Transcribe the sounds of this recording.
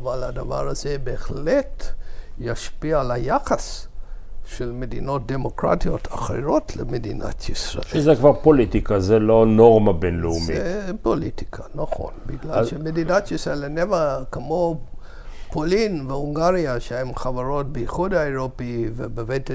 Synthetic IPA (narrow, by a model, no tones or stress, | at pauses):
avaladava̰ʁazebeːχletjaʃpiaalajaχas | ʃelmedino̞t̚d̪emo̞kʁa̰tijo̞tʰaχḭɾotʰlḛmedḭna̰tʰjisɾa̰ʔezekvaʁpolit̪ikazelonoʁmabenleumiepolit̪i̥kʰanaχo̞̰nbiɡlalʃemedinat̪jisʁaelenevakemo | pʰolinveuŋɡaʁiaʃehemχavaʁo̞t̚beiχudhaeʁopivḛbevejt